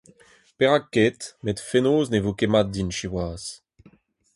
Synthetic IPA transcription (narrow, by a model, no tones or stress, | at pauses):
peʁakːet̪met̪fenoːznevokemad̪̚dinʃiwaːs